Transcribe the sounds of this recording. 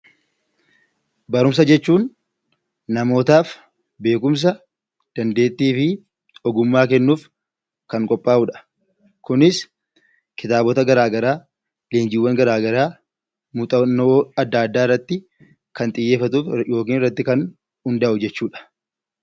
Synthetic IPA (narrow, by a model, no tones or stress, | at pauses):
bɐɾʊms̬ɐd͡ʒɛt͡ʃːuːnː | ɐmo̞ːt̪aːf | be̞ːkʊms̬ɐ | d̪̥ɐnd̪e̞ːt̪ːiːfɪ | ɔɡʊmːaːkɛnːuːf | kɐŋkʼɔpʼːaːʔuːᶑɐ̥ | kʊnɪs | kɪt̪aːbɔt̪ɐɡɐɾaːɡɐɾaː | leːnd͡ʒɪwːɐŋɡɐɾaːɡɐɾaː | mʊt̪ʼɐnːoːɐd̪ːaːd̪ːaːɪrːɐt̪ːɪ | kɐnt̪ʼɪjːe̞ːfːɐt̪uːfjo̞ːk̬iːnɪrːɐt̪ːɪkɐn | hʊnd̪ɐʔʊd͡ʒɛt͡ʃːuːᶑɐ̥